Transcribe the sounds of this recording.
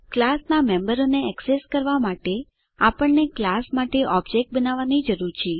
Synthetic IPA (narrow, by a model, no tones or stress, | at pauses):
klasnamẽmbəɾoneɛkseskəɾʋamaʈe | apəɳːeklasmaʈeʔɔbd͡ʒek̚ʈ̚bənaʋanid͡ʒəɾuɾt͡ʃʰe